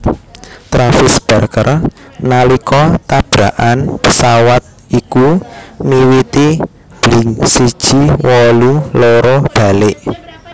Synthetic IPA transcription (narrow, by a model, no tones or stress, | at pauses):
t̪ɾafɪsb̥a̤rkər | nalikɔt̪ab̥ɾaʔanpəsawat̪̚ | ikumiwit̪i | b̥liŋsid̥ʒ̥iwɔluloɾɔb̥a̤lɪʔ